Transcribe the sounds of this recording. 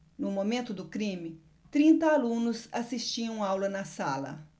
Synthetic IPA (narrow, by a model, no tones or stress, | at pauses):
nʊmomẽnt̪ʊd̪ʊkɾĩmɪ | t̪ɾĩnt̪ɐalũnʊsasist͡ʃiɐ̃w̃awlɐnɐsalɐ̰